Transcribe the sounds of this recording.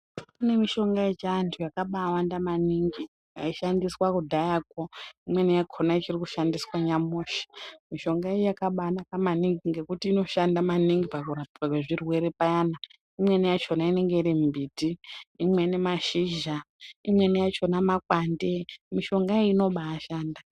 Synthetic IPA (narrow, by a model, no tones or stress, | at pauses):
kune̞miʃo̞ŋɡaet͡ʃaantʰujakaɓawandamaniŋɡi | ja̰iʃandiswakudʱajak̚woimwe̞nijakʰonait͡ʃiriku̥ʃandiswaɲamoːʃi̥miʃo̞ŋɡaejojakaɓaanakamaniŋɡiŋɡe̞kutiːno̞ʃandamaniŋɡipaaakweʐirwe̞ɾe̞pajana | imwe̞nijat͡ʃo̞naine̞ŋɡe̞iɾimbʱiːtiːmwe̞nemaʃiʒaimwe̞nijat͡ʃo̞namakwandemiʃo̞ŋɡaeino̞ɓaːʃaːnda